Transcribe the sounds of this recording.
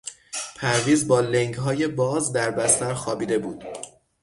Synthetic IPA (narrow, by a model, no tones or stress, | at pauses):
pʰæɾviːzbɒːleŋɡɦɒːje̞bɒːzd̪æɾbæst̪æɾxɒːbiːd̪e̞buːd̪̥